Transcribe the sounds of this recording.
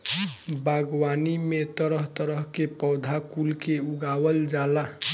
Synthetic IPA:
baɡwanimet̪əɾəɦt̪əɾəɦkepəwd̪ʱakulkeuɡawəld͡ʒala

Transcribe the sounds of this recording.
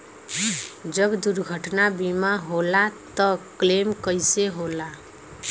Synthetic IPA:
d͡ʒəbd̪uɾɡʱəʈnabimaɦolat̪əklemkəjseɦola

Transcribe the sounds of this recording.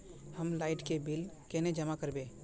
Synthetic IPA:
həmlaɪʈkebilkened͡ʒəmakəɾbe

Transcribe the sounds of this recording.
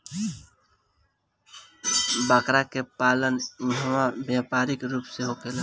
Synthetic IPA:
bakɾakepaləniɦəmabjapaɾikɾuːpseɦokelə

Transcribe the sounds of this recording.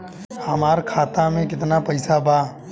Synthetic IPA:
hɐmaːɾkʰaːt̪amẽkɪt̪napɐɪsabaː

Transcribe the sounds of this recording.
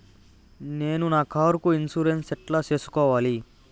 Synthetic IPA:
ne̞ːnunaːkʰaːɾukuinsuɾensɛʈlaːt͡ʃe̞ːsu̥kɔːʋaːli

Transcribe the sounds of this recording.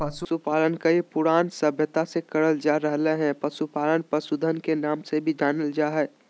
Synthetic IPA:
pəsusupaːlənkaepʊɾaːnsəbʱjət̪asekəɽəld͡ʒaːɾəɦleɦɛ̃pəsupaːlənpəsud̪ʱənkenaːmsebʱid͡ʒaːnəld͡ʒaːɦɛː

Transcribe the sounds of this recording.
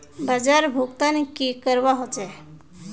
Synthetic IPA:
bəd͡ʒaɾbʱuɡt̪anekikəɾʋaɦot͡ʃɛ

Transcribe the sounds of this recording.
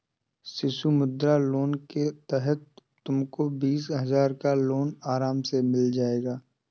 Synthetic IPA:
sɪʃumʊd̪ɾaloːnket̪ɛɦət̪ː | ʊmkobiːsɦɐzaːɾkaloːnaːɾaːmsemɪld͡ʒaːeːɡaː

